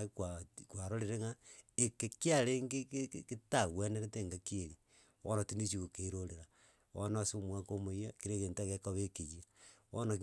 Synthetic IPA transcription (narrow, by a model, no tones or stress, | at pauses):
kwakwaɾoɾeɾeŋaekekiaɾeŋɡekekketaɣweneɾeteŋɡakieɾi | o̰natinit͡ʃiɣokeɾoɾeɾa | o̰nasomwakomoiakiɾeɣeːntaɣekaβekeɣiao̰nak